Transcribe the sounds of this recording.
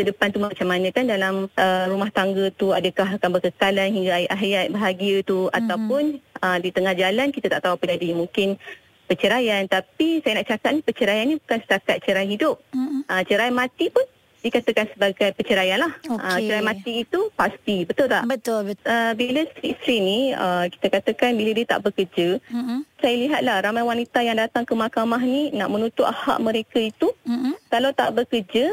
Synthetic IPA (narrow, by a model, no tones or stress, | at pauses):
sədəpant̪umat͡ʃamanə̃kandalamərumaht̪aŋɡət̪uadəkaɦakanbəkəkalanhiŋɡaajʔaɦjat̪̚bəɦaɡiət̪ua̰t̪awpʊnədit̪əŋahd͡ʒalankit̪at̪a̰ʔt̪auapənadimũŋkɪn | pət͡ʃəɾajant̪apisajənaʔt͡ʃakat̪̚nipət͡ʃəɾajanibukansə̥t̪akat̪̚t͡ʃəɾajɦidʊp̚ət͡ʃəɾajmãt̪ipʊn | dikat̪əkansəbaɡajpət͡ʃəɾajanlahoʔət͡ʃəɾajmãt̪iːt̪upast̪ibət̪ʊlt̪aʔbət̪ʊəəbiləst̪ɾist̪ɾiniəki̥t̪akat̪əkanbilədiət̪a̰ʔbəkərd͡ʒəsajaliɦat̪̚lahramajwanit̪ajaŋdat̪aŋkəmakamaɦnina̰ʔmə̃nũt̪ʊʔ̪aha̰ʔmə̃ɾekait̪ukalawt̪a̰ʔbəkərd͡ʒə